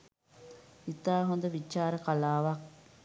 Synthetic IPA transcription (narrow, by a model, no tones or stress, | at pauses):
it̪aːɦond̪ɐʋit͡ʃːaːɾəkɐlaːʋɐk̚